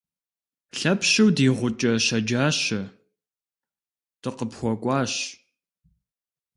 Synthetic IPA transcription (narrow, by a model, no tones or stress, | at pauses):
ɬɐpɕɐwdiːʁʷʊt͡ʃʼɐɕɐd͡ʒaːɕɐ | tɨqəpxʷɔkʷʼɑːɕ